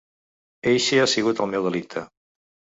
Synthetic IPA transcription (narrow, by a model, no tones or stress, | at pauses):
ejʃeasiɣut̪əlˠmɛwð̞əlik̚t̪ʰə